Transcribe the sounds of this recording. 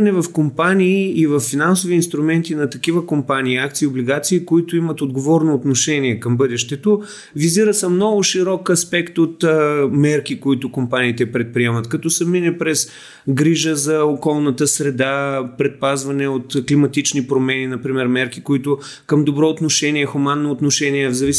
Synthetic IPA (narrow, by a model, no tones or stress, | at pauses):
nɛvɐfkompaniːvɐfːinansoviːnst̪ɾumɛnt̪inɐt̪ɐkivəkompaniːak̚t̪siːobliɡat̪siːkoit̪ʊimɐt̪od̪ɡovɔɾnoːt̪noʃɛniɛkɐmbɤd̪ɛʃt̪ɛt̪o | viziɾəsəmnɔɡʊʃiɾɔkɐspɛkt̪ot̪ːmɛɾkikoit̪ʊkompaniːt̪ɛpɾɛt̪̚pɾiɛmɐt̪kɐt̪ɔsəminɛpɾɛs | ɡɾiʒəzɐokɔlˠnət̪əsɾɛd̪apɾɛt̪̚pazvɐnɛot̪klimɐt̪it͡ʃnipɾomɛninɐpɾimɛɾmɛɾkikoit̪ʊ | kɐmd̪obɾɔot̪noʃɛniɛxumanːoːt̪noʃɛniɛvzɐvis